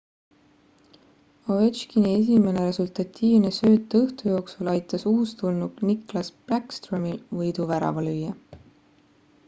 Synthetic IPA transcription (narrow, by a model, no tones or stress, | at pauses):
ove̞t͡ʃkinie̞s̬ʲime̞ne̞ɾe̞sult̪ɑt̪ːiːvne̞søːt̪ːˑɤht̪ujo̞ːksulɑjt̪ːˑɑsuːst̪ulnuɡniklɑsb̥lækst̪romilvɤjd̪uvæɾɑ̰vɑlyjɑ